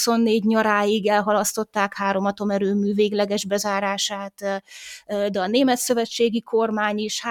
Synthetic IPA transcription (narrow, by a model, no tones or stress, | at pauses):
so̞nːeːɟɲɒɾaːjiɡɛlɦɒlɒst̪o̞t̪ːaːkhaːɾo̞mɒt̪o̞mɛɾøːmyːveːɡlɛɡɛʒbɛzaːɾaːʃaːt̪ | d̪ɛɒneːmɛt̪sø̞vɛt͡ʃːeːɡiko̞rmaːɲiːʃh